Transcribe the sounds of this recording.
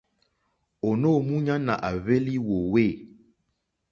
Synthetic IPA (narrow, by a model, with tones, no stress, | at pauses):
o˨no˦˨mũ˦ɲã˦nã̰˨ʔa˨βe˦li˦wo˨we˦˨